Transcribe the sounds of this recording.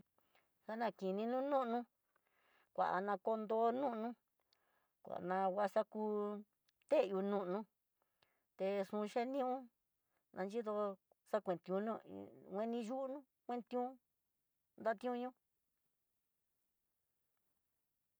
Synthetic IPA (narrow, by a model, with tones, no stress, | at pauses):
sa˦nã˧˨ki˨nĩ˧nũ˦nũ˦ʔnũ˧ | kʷa̰˨ʔa̰˨nã˧ko˧nd̪o˧˦nũ˦ʔnũ˦ | kʷa̰˨ʔnã˧wa˧sa˦ku˧ | t̪e˦ju˧nũ˦ʔnũ˧ | t̪e˧sũ˧ʃe˦nĩ˦ũ˦ | nʔã˧nd͡ʒi˦ðo˧ | sa˦kʷẽ˨t̪ũ˧nṵ̃˦˧ŋʷẽ˧nĩ˧ʒu˦ʔnũ˦ | kʷẽ˦nt̪ĩ˧ũ˦ | nd̪a˦t̪ĩ˧˦ũ˧ɲũ˦